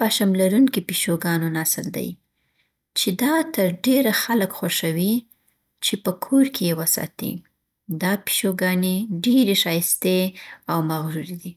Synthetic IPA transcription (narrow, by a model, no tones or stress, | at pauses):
paʃamlaɾunkipiʃoɡɑnonɑsɪld̪a̰j | t͡ʃed̪ɑt̪əɾɖeɾaxaləkxaʃawi | t͡ʃepəkʰoɾkʰejewəsɑ̰t̪ḭ | d̪ɑpi̥ʃoɡɑneɖeɾeʃɑjst̪eawmaɣɾuɾid̪i